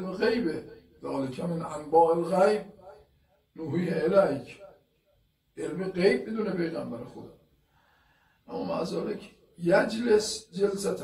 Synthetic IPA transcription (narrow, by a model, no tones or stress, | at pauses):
beɣejbe | ðɒːlekʲʰæmenʔæmbɒːʔelɣæjb̚ | noɦiːheʔelæjkʰ | ʔelbeɣejb̚ːid̪uːnepʰejɣæmbæɾexod̪ | ʔamːɒma̰zɑːlekʰ | jæd͡ʒlesd͡ʒelsæt̪ʰ